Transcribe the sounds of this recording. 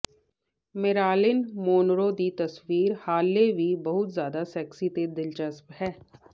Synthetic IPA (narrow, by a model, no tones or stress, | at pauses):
mɪɾaːlɪnmoːnɾod̪iːt̪əswiːɾhaːlːeʋiːbəɦʊt̪zjaːd̪asɛːksit̪ed̪ɪlt͡ʃəsphɛː